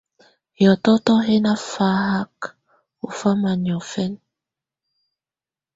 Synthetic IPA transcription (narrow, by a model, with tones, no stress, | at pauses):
jɔ˨tɔ˦tɔ˦ɦe˦na˦fa˦ɦa˦k | o˨fa˦ma˨ɲ˨ɔ˨fɛ˦n